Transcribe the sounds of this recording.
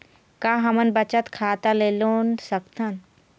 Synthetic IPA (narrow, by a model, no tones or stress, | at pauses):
kaːɦɐmənbət͡ʃət̪kʰaːt̪aleːloːnsəkt̪ʰən